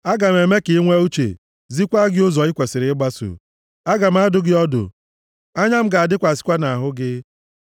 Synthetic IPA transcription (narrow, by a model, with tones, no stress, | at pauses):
a˦ɡa˨m̩˨e˨me˦kɪ˨˦ŋʷe˦u˦t͡ʃḛ˨ | zi˦kʷa˦ɡɪ˦ʊ˦zɔ˨ɪ˦kʷe˨sɪ˨ɾɪ˨˦ɪ˦ɡ͡ba˦so̰˨ | a˦ɡa˨m̩˦a˦dʊ˦ɡɪ˦ɔ˦dʊ̰˨ | a˦ɲa˦m̩˦ɡa˨a˨dɪ˦kʷa˨si̥˦kʷa˦na˨a˨ɦʊ˦ɡɪ˦